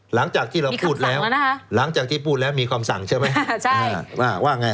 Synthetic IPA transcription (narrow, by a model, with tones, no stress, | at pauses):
la˩˦ŋt͡ɕaː˨˩k̚t̪ʰiː˥˩ɾa˧mː˧wʰuː˥˩t̪̚lɛː˦˥wa˧na˦˥kʰa˦˥la˩˦ŋt͡ɕaː˨˩k̪̚ʰiː˥˩pʰuː˥˩t̪̚lɛː˦˥wmiː˧kʰwaː˧msa˩˦ŋt͡ɕʰa˥˩jma˦˥jt͡ɕʰa˥˧˩waː˥˧˩waː˥˩ŋa˧j